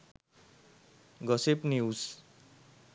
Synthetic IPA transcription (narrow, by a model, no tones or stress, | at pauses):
ɡʌsepnius